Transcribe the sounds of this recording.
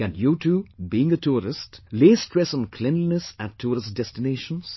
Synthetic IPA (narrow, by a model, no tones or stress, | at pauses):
kæ̃njuːʈʰuːbiɪ̃ŋətʰuːɾɪstleːstɾɛsɔ̃nkʰlɛ̃nlnəsæ̃tʰːuːɾɪsdɛstɪneːʃə̃ns